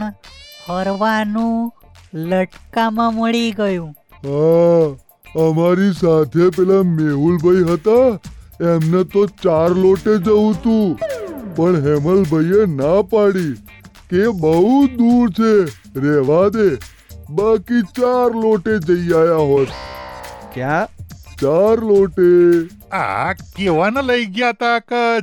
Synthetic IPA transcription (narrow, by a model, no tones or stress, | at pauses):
həɾʋanũ | ləʈkamãməɭiɡəjũ | ɦa | əmaɾisat̪ʰepelameɦulbʱəiɦət̪a | emnet̪ot͡ʃaɾloʈed͡ʒəũt̪ũpəɳɦeməlbʱəienapaɽi | kebəɦud̪uɾt͡ʃʰe | ɾɛʋad̪e | bakit͡ʃaɾloʈed͡ʒəiajaɦot̪ | kjãt͡ʃaɾloʈe | a̰keʋanələiɡjat̪akə